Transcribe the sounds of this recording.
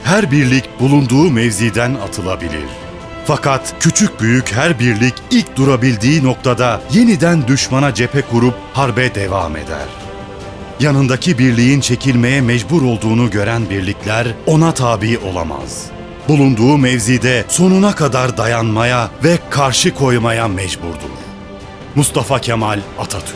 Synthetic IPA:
hæɾbiɾlʲicbulˠund̪uːmɛvziːd̪ænat̪ʰɯlˠa̰bilʲḭɾ̥ | fakat̪cʰyt͡ʃʰyc̚byjycɦæɾbiɾlʲicilʲc̚d̪uɾabilʲd̪iːno̞k̚t̪ʰad̪aje̞nid̪ænd̪yʃmanad͡ʒe̞pʰɛkuɾup̚haɾbɛd̪eva̰ːme̞̰d̪æ̰ɾ̥ | janɯnd̪acʰibiɾlʲijint͡ʃʰe̞cʰilʲme̞jɛmɛd͡ʒbuɾo̞lˠd̪uːnuɟø̞ɾænbiɾlʲiclʲæɾo̞nat̪ʰaːbiːʔo̞lˠa̰ma̰z̥ | bulˠund̪uːmɛvziːd̪ɛso̞nunakʰad̪aɾd̪ajanmajavɛkʰaɾʃɯkʰo̞jmajamɛd͡ʒbuɾd̪ṵ | must̪ʰafacʰemalʲat̪ʰat̪ʰy̥

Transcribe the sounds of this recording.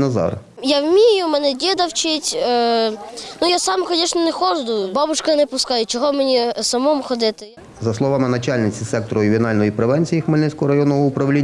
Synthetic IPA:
nɐzɑ̰r | jawmʲijʊmɛnɛdʲid̪ɐwt͡ʃɪtʲː | nujasɑmkɔnʲiʃnʲɔnɛxɔʒd̪ʊbɑbʊʃkɐnɛpʊskɑjʊt͡ʃɔɦɔmenʲisɐmɔmʊxɔd̪ɪt̪ɪ | zɐslˠɔʋɑmɪnɐt͡ʃalʲnɪt͡sʲisɛk̚t̪ɔɾɔɪʋʲɔnɑlʲnɔjipɾeʋɛnʲt͡sʲijixmɪlʲnɪt͡sʲkɔɦɔɾɐjɔnːɔɦɔʊpɾɐwlʲinʲː

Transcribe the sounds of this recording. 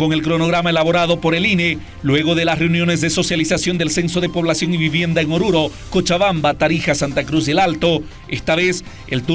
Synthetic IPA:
o̞ŋe̞lkɾo̞noɣɾamae̞laβo̞ɾaðo̞po̞ɾe̞line | lwe̞ɣo̞ðe̞lasre̞unjo̞ne̞zðe̞so̞sjalisasjo̞nd̪e̞lse̞nso̞ðe̞po̞β̞lasjo̞ŋiβiβje̞nd̪aeŋo̞ɾuɾo̞ | kot͡ʃaβambat̪aɾixasant̪akɾuzd̪elalt̪o̞ | est̪aβe̞s | ḛlt̪u

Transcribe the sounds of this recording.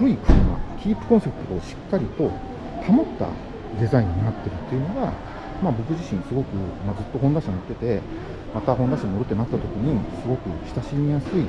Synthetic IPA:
ɾɯikɯ̟ɾɯma̰kʲiːpːɯ̟̥kõ̞ɰ̃se̞pɯ̥t̪ot̪oːɕi̥kːaɾʲit̪o̞ | t̪ʰamo̞t̪ːa̰ | d̪e̞zaĩɲ̟ːinat̪ːe̞ɾɯ̟t̪ːeiɯno̞ɡa | mabo̞kɯ̟ʑiɕĩŋasɨɡo̞kɯ̟mad͡zɨt̪ːo̞ɦõ̞nd̪aɕamot̪ːe̞t̪e̞ | mat̪aɦond̪aɕamoɾɯ̟t̪ːe̞nat̪ːat̪o̞kʲiɲ̟isɨɡo̞kɯ̟çʲi̥saɕimʲijasɨi

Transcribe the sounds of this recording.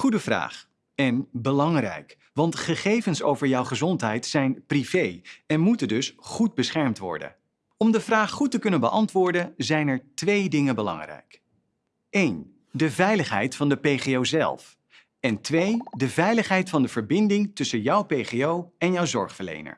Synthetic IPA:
χudəvra̰ːχ | ɛnbəlɑŋrɛ̰jk | ʋɑntχəχejvənso̰wvəɹjɔwχəzɔntɦɛjtsɛjnprivejɛnmutəndɵsχud̚bəsχɛɹmtʋɔ̰ɹdə̰n | ɔmdəvraːχχutəkɵnənbəʔɑ̰ntʋʊːɹdənzɛjnɛɹtʋejdɪŋənbəlɑ̰ŋrɛ̰jk | ejn | dəvɛjləχɦɛ̰jtfɑndəpejχeowzɛ̰lˠf | ɛntʋejdəvɛjləχɦɛjtfɑndəv̥əɹbɪndɪŋtɵsənjɑwpejχeowɛnjɔwzɔ̰ɹχfəɹlḛjnə̰ɹ

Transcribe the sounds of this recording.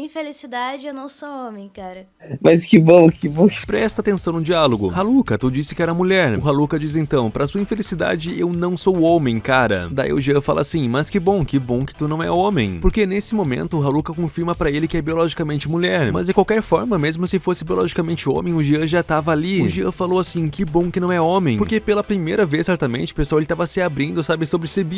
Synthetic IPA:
ĩfelisid̪ad͡ʒɪɛnɐ̃w̃soõmẽj̃kaɾɐ | mɐskɪbõw̃kɪbõw̃pɾɛst̪ɐat̪ẽsɐ̃w̃nʊd͡ʒialoɡʊhalukɐt̪ud͡ʒisɪ̥kɪɛɾɐmuʎɛɾʊɦalukɐd͡ʒis̬ẽnt̪ɐ̃w̃pɾɐsuɐĩfelisid̪a̰d͡ʒɪewnɐ̃w̃sowõmẽj̃kaɾɐ̰d̪aḭʊʒiɐ̃fa̰lʔɐ̰asĩmɐskɪbõw̃kɪbõkɪ̥t̪unɐ̃w̃ɛ̰õmẽj̃poɾkenesɪmomḛ̃nt̪ʊːɦalukɐkõfiɾmɐpɾɐelɪkɪɛbiolɔʒikamẽnt͡ʃɪmuʎɛɾmɐzd͡ʒɪ̃kwawkɛɾfɔɾmɐmezmʊsɪfosɪbiolɔʒikamẽnt͡ʃɪõ̰mẽj̃ʊʒiɐ̃ʒat̪avɐaliʊʒiɐ̃falowasĩkɪbõw̃kɪnɐ̃w̃ɛõmẽj̃poɾkepelɐpɾimejɾɐvesːɛɾt̪amẽnt͡ʃɪ̥ʊpeswawelɪt̪avɐsɪabɾĩnd̪ʊsabɪsobɾɪsebi

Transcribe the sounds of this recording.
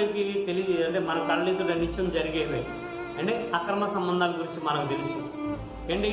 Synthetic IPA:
nikit̪eliɐɳʈeːmɐnɐmkɐɳliːt̪uʈɐnit͡ʃːɐmd͡ʒɐɾiɡeːʋeː | ɐɳɖeɐkɾɐmɐsɐmbɐnd̪ʱaːlɐɡuɾiɲt͡ʃimɐnɐmut̪elisu | eɳɖi

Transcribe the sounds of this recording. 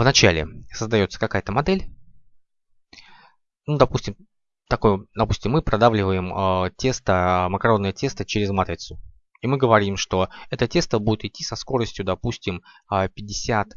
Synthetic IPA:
vnɐt͡ɕælʲɪ̰səzd̪ɐjo̞t̪sə̥kɐkajət̪əmɐd̪ɛlʲ | nud̪ɐpusʲtʲɪm | t̪ɐkojd̪ɐpusʲtʲɪmːɨpɾɐd̪avlʲɪvəjɪmətʲe̞st̪əməkɐɾo̞nːəjətʲe̞st̪ət͡ɕeɾʲɪzmat̪ɾʲɪt̪sʊ | imɨɡəvɐɾʲimʂt̪o̞ɛt̪ətʲe̞st̪əbudʲɪt̪ɪtʲːisɐsko̞ɾəsʲtʲjʊd̪ɐpusʲtʲɪm | əpʲɪdʲːɪsʲat̪

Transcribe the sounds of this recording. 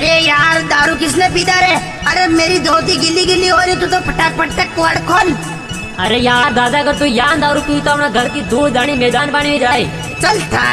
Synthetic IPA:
ɾeːjaːɾd̪aːɾuːkɪsneːpiːd̪aːɾeː | əɾeːmeːɾiːd̪oːt̪iːɡɪlːiːɡɪliːɦoːɾjiːt̪ut̪oːpəʈaːk̚pəʈʈ̪eːkːʋəɽkʰoːn | əɾeːjaːɾd̪aːd̪aːəɡəɾt̪uijãːnd̪aːɾuːpiːuːt̪oːmnaːɡəlkiːd̪ʱuːd̪aːɽ̃iːmeːd̪aːnbaːɳʋiːd͡ʒaːeː | t͡ʃəlt̪ʰa̰ː

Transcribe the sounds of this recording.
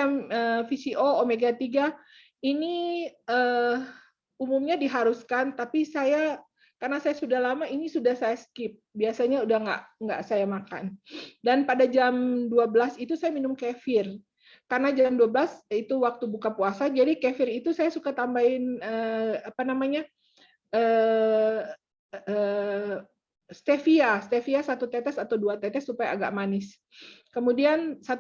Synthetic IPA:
aməfisiʔoomeɡat̪iɡa | iniə | umumɲadiɦaɾuskant̪apisaja | karnasajasudahlamainisudahsajaskɪp̚biasaɲaudahŋɡa̰ʔŋɡa̰ʔsajamaka̰ndanpadad͡ʒamduabəlasit̪usajaminʊmkefɪr | karənad͡ʒamduabəlasit̪uwak̚t̪ubukapuasad͡ʒadikefɪrit̪usajasukat̪ambaɪnəapanamaɲa | ʔəː | ə | st̪efiast̪efiasat̪ut̪ɛt̪ɛsat̪awduat̪ɛt̪ɛsːupajaːɡa̰ʔmanɪs | kəmudiansat̪

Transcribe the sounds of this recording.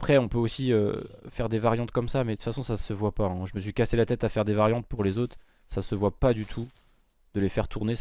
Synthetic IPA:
pχɛɔ̃pøosiø̰fɛʁd̪evaʁjɑ̃t̪kɔmsamɛd̪t̪ut̪fasɔ̃sasəvwapaɛ̃ʒəməsɥikaselat̪ɛt̪afɛʁd̪evaʁjɑ̃t̪̚puʁlezot̪χ | sasəvwapad̪yt̪ʰu | d̪̥əlefɛʁt̪ʰuʁne

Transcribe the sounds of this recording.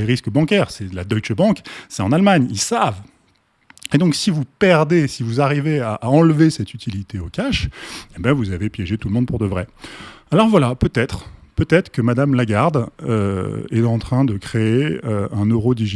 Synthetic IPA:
eʁiskəbɑ̃kʲɛʁsɛlad̪ɔjt͡ʃbɑ̃ksɛt̪ɑ̃nalmaɲilsav | ed̪ɔ̃ksivupɛʁd̪esivuzaʁiveaʔaɑ̃lvesɛt̪yt̪ʰilit̪eokʲaʃebjɛ̃vuzavepjɛʒet̪ulmɔ̃d̪̚puʁd̪əvʁɛalɔʁvwalapøt̪ɛt̪χpøt̪ɛt̪χkəmad̪amlaɡaʁd̪ø̰ɛ̰t̪ɑ̃t̪χɛ̃d̪əkχeeøɛ̃nøʁod̪iʒ

